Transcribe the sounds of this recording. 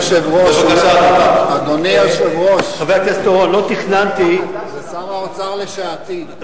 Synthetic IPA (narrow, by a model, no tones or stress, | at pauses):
ʃevʁoʃɡaʃaakaad̪onieʃevʁoʃaveat̪iast̪oanlot̪iχnant̪izesamaot͡saaleʃaːt̪i